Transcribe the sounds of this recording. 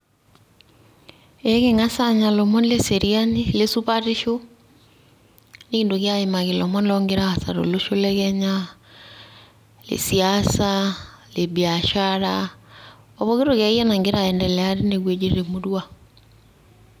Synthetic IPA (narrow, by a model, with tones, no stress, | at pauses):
ɛɣeŋa˦saɲa˨lo˨mɔ˦n˦le˦seɾiani˦lesu˦βaɾi˦ʃo˦ | ne˦ki˨ndo˨ɣja˦ima˨ɣelɔmɔ˦n˦lɔŋɡeɾaa˨sa̰˨ɾo̰˨lo˦ʃo˦lɛɣɛɲa | lḛ˨siasaleβjaʃaɾa | ɔβoɣe˦ɾoɣa˨˦ia˦naŋɡe˦ɾa˨ɛndɛ˨lɛa˦ɾe˦neɣwe˨d͡ʒi˨ɾe˨moɾwa